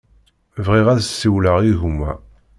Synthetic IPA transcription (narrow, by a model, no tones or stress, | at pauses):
vʁiʁæðsːiwləʁiʝumːæ̰